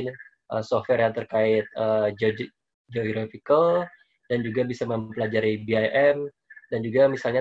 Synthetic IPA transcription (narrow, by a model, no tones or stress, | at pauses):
n | ʔəsɔfwɛrjaŋt̪ərkaɪt̪̚əːd͡ʒ | d͡ʒoɡɾafikəl | d̥and͡ʒuɡabisaməmpəlad͡ʒaɾibiajʔɛm | dand͡ʒuɡamisalɲa